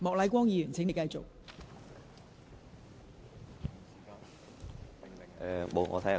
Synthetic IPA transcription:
mɔː˨k̚lɐ˨˥jkʷwɔː˥ŋjiː˨˧jyː˨˩nt͡sʰɪ˨˥ŋe˨˧jkɐ˧jt͡so̰˨k̚ | ɛ˨˧mo˨˧ŋɔ̰ː˨˧t̪ʰjɐ˨

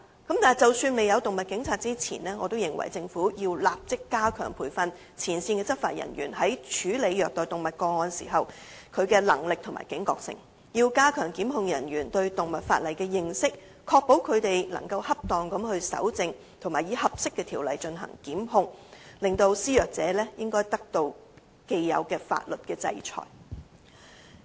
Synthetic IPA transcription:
kɐ˨˥mt̪aː˨jt͡sɐ˨wsyː˧nme˨jɐ˨˧wt̪ʊ˨ŋmɐ˨t̚kɪ˨˥ŋt͡sʰaː˧t̚t͡siː˥t͡sʰḭː˨˩nɛː˥ŋɔː˨˧t̪o˥wjɪ˨˩ŋwɐ̰˨˩jt͡sɪ˧ŋfuː˨˥jiː˧wlaː˨p̚t͡sɪ˥kːaː˥kʰœ̰ː˨˩ŋpʰuː˨˩jfɐ˧n | t͡sʰiː˨˩nsiː˧nkɛː˧t͡sɐ˥k̚fa̰ː˧t̚jɐ̰˨˩nɥyː˨˩nhɐ˨˥jt͡ʃʰyː˨˥le˨˧jjœː˨k̚t̪ɔː˨˩jt̪ʊ˨ŋmɐ˨t̚kɔː˧ŋɔː˧nsḭː˨˩ɦɐ˨wkʰɵ˨˧ɥkɛː˧lɐ̰˨˩ŋlɪ˨k̚t̪ʰʊ˨˩ŋma̰ː˨˩jkɪ˨˥ŋkɔː˧k̚sɪ̰˨˩ŋ | jiː˧wkaː˥kʰœː˨˩ŋkiː˨˥mɦʊ˧ŋjɐ˨˩njyː˨˩nt̪ɵ˧ɥt̪ʊ˨ŋmɐ˨t̚fa̰ː˧t̚lɐ˨jkɛː˧jɪ˨ŋsɪ˥k̚ | kʰɔː˧k̚po˨˥wkʰɵ˨˧ɥt̪e˨jlɐ̰˨˩ŋkɐ˧whɐ˥p̚t̪ɔː˨ŋkɐ˨˥mhɵ˧ɥsɐ̰˨˥wt͡sɪ˧ŋ | t̪ʰŋmaː˨˩jiː˨˧˥hɐ˨p̚sɪ˥kːɛː˧t̪ʰiː˨˩wlɐ˨jt͡ʃɵ˧nɦɐ̰˨˩ŋkiː˨˥mɦʊ˧ŋlɪ˨˧ŋt̪o˧wsiː˥jœː˨k̚t͡sɛː˨˧lɛː˥jɪ˥ŋkɔː˥jt̪ɐ˥k̚t̪o˧w | ke˧jjɐ̰˨˧wkɛː˧fa̰ː˧t̚lɵ˨t̚kɛː˧t͡sɐ̰˧jt͡ʃʰɔ̰ː˨˩j

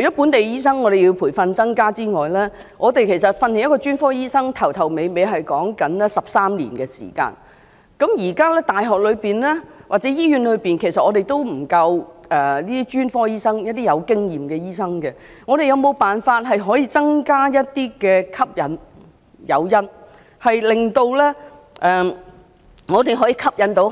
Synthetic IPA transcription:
ɵ˩t͡ɕɔː˨˥pu˨˥nt̪e˨jjiː˥sɐ˥ŋŋɔː˨˧ɾe˨ji˧wpʰuː˨˩jfɐ˧nt͡sɐ˥ŋkaː˥t͡siː˥ŋɔː˨jlɛː˥ | ŋʔɔː˨˧t̪e˨jkʰe˨˩sɐ˨t̚fɐ˧nːi˨˩jɐ˥kɔː˧t͡ʃyː˥nfɔː˥jiː˥sɐ˥ŋt̪ʰɐ˨˩wt̪ʰɐ˨˩wme˨˧jme˨˧jɦɐ˨jkɔː˨˥ŋkɐ˨˥nlɛ˥sɐ˨p̚saː˥mlḭ˨˩nkɛ˧sḭ˨˩ka̰ː˧n | kɐ˨˧˥mjiː˨˩kaː˥lɛː˥t̪aː˨˩jɦɔː˨k̚lɵ˨˧piː˨nlɛː˥waː˨k̚t͡sɛ˨˥jiː˥ɥy˨˧˥nlɵ˨˧ɥpiː˨nkʰe˨˩jsɐ˨t̚ʔɔː˨˧ɾe˨jt̪o˥wm̩˨˩kɐ˧wɛ˨liː˥d̪i˥t͡ʃyː˥nfɔː˥jiː˥sɐ˥ŋjɐ˥t̚t̪iː˥jɐ˨˧wkɪ˥ŋjiː˨mkɛː˧jiː˥sɐ˥ŋkɛ˧ | ŋɔː˨˧ɾe˨jɐ˨˧wmo˨˧wpaː˨nfaː˧t̚ɦɐ˨jɦɔː˨˥jiː˧t͡sɐ˥ŋkaː˥jɐ˥t̚t̪iː˥kɛː˧kʰɐ˥p̚jɐ˨˥n | jɐ̰˨˧wjɐ˥n | hɐ˨jlɪ˨˩ŋt̪o˧wlɛː˥ | ʔɛː˨ | ŋɔː˨˧t̪e˨jɦɔː˨˥jiː˧kʰɐ˥p̚jɐ˨˧˥nt̪o˨˥w

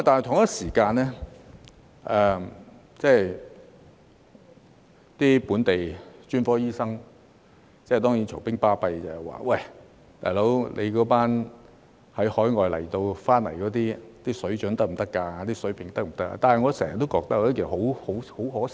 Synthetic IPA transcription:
ma˧t̪aː˨nɐ˨t̪ʰŋjɐ˥siː˨˩kaː˧nlɛː˥ | ʔɛ˨˩ | t͡sɛː˥˩j | t̪iː˥puː˨˥nt̪e˨jt͡ʃyː˥nfɔː˥jiː˥sɐ˥ŋ | t͡sɛː˥˧˨t̪̬ɔː˥jiː˨˥nt͡ʃʰʊ˨˩ŋpɪ˥ŋpaː˥pɐ˧jt͡sɐ˨˩hɐ˨wa̰ː˨wɐ˥˩j | t̪a̰ː˨jlo˨˥wlʔḛ˨˧kɔː˨˥paː˥n | hɐ˨˥jhɔː˨˥jŋɔː˨jlɐ̰˨˩jt̪o˧wfaː˥nlɐ̰˨˩jkɔː˨˥t̪iː˥t̪iː˥sɵ˨˥ɥt͡ʃɵ˨˥nt̪ɐ˥k̚m̩˨˩t̪ɐ˥kːaː˧t̪iː˥sɵ˨˥ɥpʰɪ˨˩ŋt̪ɐ˥k̚m̩˨˩t̪ɐ˥k̚a̰˧t̪aː˨nɦɐ˨jŋɔː˨˧sɛː˨˩ŋjɐ˨t̪ːo˥wkɔː˧k̚t̪ɐ˥k̚ːɔ˧˥ke˨˩˨ho˨˥who˨˥who˨˥wɦɔː˨˥

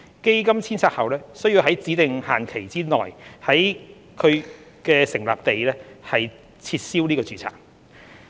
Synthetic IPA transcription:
ke˥jkɐ˥mt͡sʰiː˥nt͡sʰaː˧k̚hɐ˨wlɛː˥sɵ˥ɥji˧wɦɐ˨˥jt͡siː˨˥t̪ɪ˨ŋhaː˨˩nkʰe˨˩jt͡siː˥nɔː˨˩jhɐ˨˥j | kʰɵ˨˧ɥ | kɛː˧sɪ˨˩ŋla̰ː˨p̚t̪e˨jlɛː˥hɐ˨j | t͡sʰiː˧t̚siː˥wniː˥kɔː˧t͡syː˨t͡sʰa̰ː˨˩ŋ

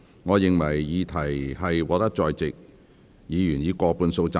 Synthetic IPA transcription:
ŋɔː˨˧jɪ˨ŋwɐ˨˩jːiː˨˧t̪ʰɐ˨˩jhɐ˨jwɔː˨˥t̪ɐ˥k̚t͡sɔː˨˧jt͡sɪ˨k̚ | jiː˨˧jyː˨˩njiː˨˧kɔː˧puː˨˧nso˧wt͡sa˧

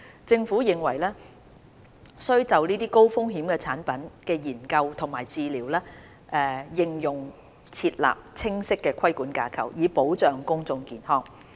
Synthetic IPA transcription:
t͡sɪ˧ŋfuː˨˥jɪ˨ŋwɐ̰˨˩jlɛː˥ | sɵ˥ɥt͡sɐ˨wniː˥t̪iː˥ko˥wfʊ˥ŋɦiː˨˥mkɛː˧t͡sʰaː˨˥npɐ˨˥nkɛː˧jiː˨˩nkɐ˧wt̪ʰʊ˨˩ŋmaː˨˩jt͡siː˨liː˨˩wlɛː˥ | ʔɛː˨˧jɪ˨˧ŋjʊ˨˩ŋ | t͡sʰiː˧t̚la̰ː˨p̚t͡sʰɪ˥ŋsɪ˥kːɛː˧kʰɐ˥jkuː˨˥nkaː˧kʰɐ̰˨˩wjiː˨˧po˨˥wt͡ʃœː˨ŋkʊ˥ŋt͡sʊ˧ŋkiː˨nhɔː˥ŋ

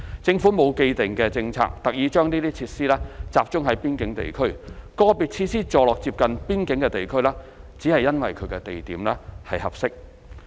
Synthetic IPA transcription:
t͡sɪ˧ŋfuː˨˥mo˨˧wke˧jt̪ɪ˨ŋkɛː˧t͡sɪ˧ŋt͡sʰa̰ː˧˩k̚t̪ɐ˨k̚jiː˨˧t͡ʃœː˥ŋniː˥t̪iː˥t͡sʰiː˧t̚siː˥lɛː˥t͡saː˨p̚t͡ʃʊ˥ŋɦɐ˨˥jpiː˥nkɪ˨˥ŋt̪ḛ˨˩jkʰɵ˥ɥkɔː˧pi˨t̚t͡sʰiː˧siː˥t͡ʃɔː˨˧lɔː˨k̚t͡siː˧p̚kɐ˨npiː˥nkɪ˨˥ŋkɛː˧t̪e˨jkʰɵ˥ɥlɛː˥t͡si˨˥hɐ˨jːɐ˥nwɐ̰˨jkʰɵ˨˧ɥkɛ˧t̪e˨jt̪iː˨˥mlɛː˥hɐ˨jhɐ̰˨p̚sɪ˥k̚

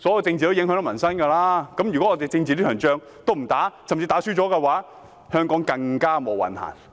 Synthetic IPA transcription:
sɔː˨˥jɐ˨˧wt͡sɪ˧ŋt͡si˨o˥wjɪ˨˥ŋɦœː˨˥nɐ˥˩mɐ˨˩nsɐ˥nkɐː˧laː˥kɐ˨˥mjy˨kɔ˨˦˥ɔː˧t̪e˨jt͡sɪ˧ŋt͡si˨˧i˥kʰœː˨˩ŋt͡ʃœː˧ŋ | t̪o˥wm̩˨˩t̪aː˨˥sɐ˨mt͡siː˧t̪aː˨˥syː˥t͡ʃɔː˨˥kɛ˧waː˨˥ | hœː˥ŋkɔː˨˥ŋkɐ˧ŋkaː˥mo˨wɐ̰˨˩nha̰ː˨˩n

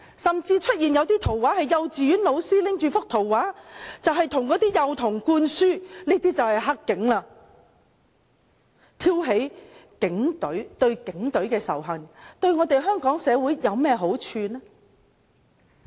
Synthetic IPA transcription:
sɐ˨mt͡siː˧t͡ʃʰɵ˥t̚jiː˨njɐ˨˧wt̪iː˥t̪ʰo˨˩waː˨˥hɐ˨jːɐ˨wt͡siː˨jyː˨˥nlo˨˧wsiː˥lɪ˨˥ŋt͡ʃyː˨˩fʊ˥k̚t̪ʰo˨˩wwaː˨˥t͡sɐ˨wɦɐ˨jt̪ʰʊ˨˩ŋkɔː˨˥t̪iː˥jɐ˨wt̪ʰʊ˨˩ŋkuː˧nsyː˥niː˥t̪iː˥t͡sɐ˨whɐ˨jɦa˥kːɪ˨˥ŋlaː˧ | t̪ʰiː˥wɦe˨˥jkɪ˨˥ŋt̪ɵ˨˥ɥt̪ɵ˧ɥkɪ˨˥ŋt̪ɵ˨˥ɥkɛː˧sɐ̰˨˩wɦɐ˨˩ŋt̪ɵ˧ɥŋɔː˨˧t̪e˨jɦœː˥ŋkɔː˨˥ŋsɛː˨˧wuː˨˥jjɐ˨˧wmɛː˥ɦo˨˥wt͡ʃʰyː˧nɛː˥

